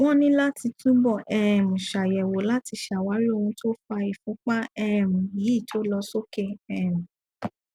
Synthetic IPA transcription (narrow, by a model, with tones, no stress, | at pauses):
wɔ̃˦nĩ˦la˦ti˧tũ˦bɔ˦˨ʔɛ˧˨mũ˨ʃa˨jɛ˨wo˨˦la˦ti˧˦ʃa˨wa˨˦ɾi˦o˦˧hũ˧tʰo˦fa˧i˨fũ˨˦k͡pa˦ɛ˦˨mũ˨ji˨˦i˦˨tʰo˦lɔ˧so˦kɛ˦˨ɛ˦˨mũ˨